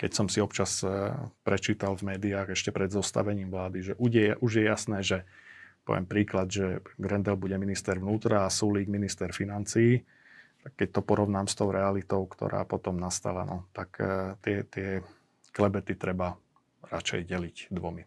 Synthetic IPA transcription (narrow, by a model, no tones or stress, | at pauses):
kɛcsɔmsiɔpt͡ʃaspɾɛt͡ʃiːt̪alvmɛːd̪iaːɣɛʃcɛpɾɛd̪zɔst̪a̰ʋɛɲiːmʋlaːd̪iʒɛʔuʒjɛʔuʒjɛjasnɛːʒɛpɔ̰ʋɪɛ̰mpɾiːklad̪ʒɛɡɾɛnd̪ɛlbuɟɛminist̪ɛɾʋnuːt̪ɾaːsuːliːɡminist̪ɛɾfinant͡siː | t̪akːɛc̚t̪ɔpɔɾɔʊnaːmst̪ɔʊɾɛalit̪ɔʊkt̪ɔ̰ɾa̰ːpɔt̪ɔmnast̪a̰la̰nɔt̪akt̪ɪɛt̪ɪɛ | klɛbɛt̪it̪ɾɛba | ɾat͡ʃɛ̰jɟɛlicd̪ʋɔmi